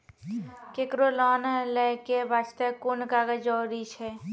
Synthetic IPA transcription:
kekɾolɔːnlɛkebat͡ʃt̪ekʊnkaːɡad͡ʒɔːɾit͡ʃʰɛ

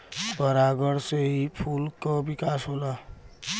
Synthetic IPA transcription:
kʌɾaɡʌɽseɦipʰulkɔbikasɦola

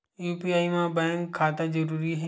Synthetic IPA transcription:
juːpiaːimãbɛ̃ːŋkʰːaːt̪ad͡ʒəɾuːɾiɦɛː

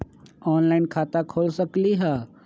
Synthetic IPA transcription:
ɔːnlaːɪnkʰaːt̪akʰoːlsəkliɦɛː

